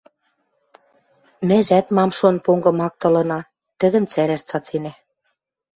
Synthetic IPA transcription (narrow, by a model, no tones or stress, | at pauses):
mɘ̆ʒæt̪mɑmʃonpoŋɡɤ̆mɑk̚t̪ɤ̆lɤ̆nɑ | t̪ɘ̆ðə̆mt͡sæɾæʃt͡sɑt͡senæ